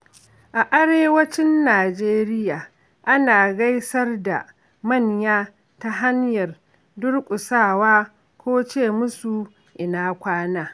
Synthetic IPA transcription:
ʔa˨ʔa˦ɽeː˦wɐ˦t͡ʃɪ˦nːaː˨d͡ʒeː˦ɾɪ˦jaː˨ | ʔa˦naː˨ɡa˦jsɐ˦rda̰˨ | mɐ˦˨ɲjaː˦ | ta˦ɦa˦ɲjɐ˨r | dʊ˦rkʷʼʊ˨saː˦˨waː˦ | kʷoː˦t͡ʃeː˦˨mʊ˦su˨ | ʔɪ˨naː˦kʷaː˦naː˦

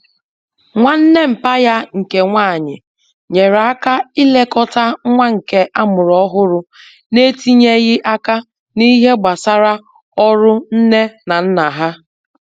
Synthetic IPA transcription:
ŋʷa˦n̩˦ne˦m̩˨pa˦ja˦ŋ̩˨ke˨ŋʷaː˦˨ɲɪ̰˨ | ɲe˨ɾa˦ka˦i˦le˦kɔ˦ta˦ŋʷa˦ŋ̩˨ke˦ʔa˦mʊ˨ɾɔ˦ɦʊ˦ɾʊ˦ | ne˦ti˦ɲe˦ɣɪ˦ʔa˦ka˦ | ni˦ɦe˦ɡ͡ba˨sa˦ɾa˦ | ɔ˦ɾʊ˦n̩˦ne˦na˨n̩˦na˨ɦa˦

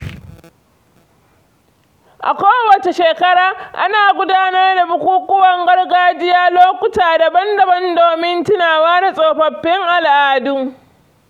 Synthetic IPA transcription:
ʔa̰˨kʷoː˦wɐ˨t͡ʃe˨ʃeː˨kɐ˦ɽaː˨ʔa̰˦naː˨ɡʷʊ˦daː˦nɐ˦rda˨bʊ˨kʷuː˦kʷʼʊ˦wɐ˨ŋɡɐ˦rɡaː˦d͡ʒɪ˦jaː˦loː˦kʷʊ˦taː˨da˨bɐ˦ndɐ˨bɐ˦ndoː˨mɪ˦ntɪ˦naː˨waː˦da˨sʼoː˨ɸɐ˨ɸːɪ˦ŋʔa˨lʔaː˨dʊ˦ŋ

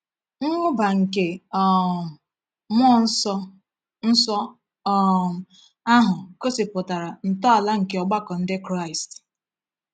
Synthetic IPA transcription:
ŋ̩˦ŋʷʊ˦ba˨ŋ̩˨ke˨ | mɔ˦˨n̩˦sɔ˦ | n̩˦sɔ˦˨ | a˦ɦʊ˨ko˦sɪ˨pʊ˨ta˨ɾa˨n̩˨tɔ˦a˨la˦ŋ̩˨ke˨ɔ˨ɡ͡ba˦kɔ˨n̩˦dɪ˦kɾa˦ɪ˨st

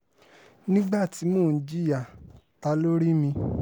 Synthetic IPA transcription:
nĩ˦ɡ͡ba˦˨ti˨˦mõ˦˨n̩˨˦d͡ʒi˦˨ja˨ | ta˧lo˦ɾi˦mĩ˧

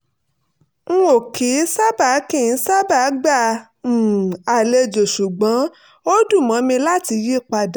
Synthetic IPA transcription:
ŋ̩˦o˨kʰi˨˦sa˦ba˨˦kĩ˦˨˦sa˦ba˨˦ɡ͡bã˦˨ | a˨le˧d͡ʒo˨ʃu˨ɡ͡bã˨˦ | o˦du˦˨mã˨˦mĩ˧la˦ti˧ji˦˨k͡pa˧da˨

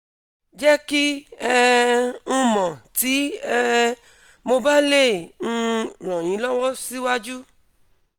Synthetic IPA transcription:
d͡ʒɛ˦ki˦ɛ˦ũ˦mɔ̃˨ti˨˦ɛ˦ | mo˧ba˦le˦˨ŋ̩̃˦ɾ̃ɔ̃˨j̃ĩ˨˦lɔ˦wɔ˦si˦wa˦d͡ʒu˦

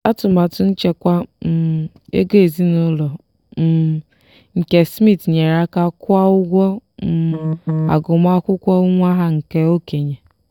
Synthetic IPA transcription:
a˦tʊ˨ma˨tʊ˨n̩˦t͡ʃe˦kʷa˦˨ | ḛ˦ɡe˦e˨zi˦nʊ˦lɔ˨ | ŋ̩˨ke˨smi˦tɲe˨ɾa˦ka˦kʊ˦a˦ʊ˦ɡʷɔ˦m̩˨a̰˨ɡʊ˨m˦a˦kʷʊ˦kʷɔ˦u˦ŋʷa˦ɦa˦ŋ̩˨ke˦o˦ke˨ɲe˨

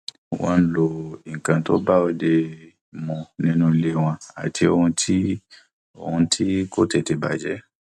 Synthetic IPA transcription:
wã̰˧n̩˦lo˨i˨ŋ̩˨kã˧to˦ba˦o˦de˧ | mɔ̃˧nĩ˦nũ˧i˧le˦w̃ã˧a̰˨tʰi˧o˧hũ˧tʰi˦ | o̰˨hũ˧tʰi˦ko˦te˨te˨ba̰˨d͡ʒɛ˨˦

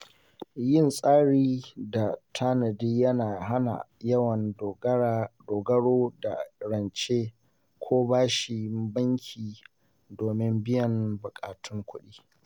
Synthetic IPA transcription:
jɪ˦˨nsʼaː˦ɽiː˦da˨tʰa˦nɐ˨diː˦jɐ˦naː˨ɦa˦na̰˨jɐ˦wɐ˨n | doː˨ɡɐ˦ɽoː˦da̰˨ɽɐ˨nt͡ʃeː˦ | kʷʰoː˦baː˦ʃi˨bɐ˦ŋkʲʰiː˨ | doː˨mɪ˦mbɪ˦jɐ˨mbʊ˨kʼaː˨tʰʊ˦ŋkʷʰʊ̰˦ɗiː˦

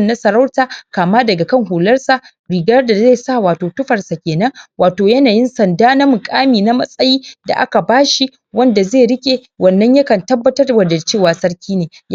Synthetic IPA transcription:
nːa˦sɐ˨ɾɐ˦wtaː˨kaː˨maː˦dɐ˨ɡa˨kɐ˦ŋɦuː˨lɐ˦rsa˨ | ɽiː˨ɡɐ˦rda˨ze˦˨saː˦˨waː˨toː˨tʊ˦ɸɐ˨rsa˨kʲeː˨nɐ˦ŋwaː˨toː˨jɐ˦naː˨jɪ˦nsɐ˨ndaː˦na˦mʊ˨kʼaː˦miː˨na˦mɐ˦sʼɐ˦jiː˦da̰˨ʔa̰˦ka˨baː˦ʃi˦ | wɐ˦nda˨zeː˦˨ɽɪ˦kʲʼe˨ | wɐ˨nːɐ˦ɲja˦kɐ˨ntɐ˦bːɐ˦tɐ˦rwɐ˨dɐ˨lt͡ʃeː˦˨waː˨sɐ˦rkʲiː˦neː˨

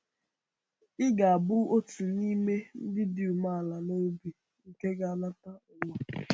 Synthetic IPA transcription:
ɪ˦ɡa˨a˨bʊ˦o˦tu˨ni˦me˦n̩˦dɪ˦dɪ˨u˨ma˦˨la˨no˦bi˨ | ŋ̩˨ke˦ɡa˦a˦na˦ta˦ʊ˨ŋa˦

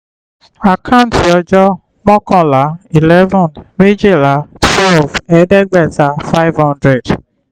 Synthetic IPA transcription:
a˨kʰa˦ʊ̃˨n˨ti˨ɔ˧d͡ʒɔ˦ | mɔ˦kɔ̃˦˨la˨˦i˨lɛ˦vɔ̃˨nme˦d͡ʒe˦˨la˨˦twɛ˦lvɛ˨˦de˦ɡ͡bɛ˦˨ta˨˦fa˦ɪ˦vhɔ̃˦ndɾɛ˨d

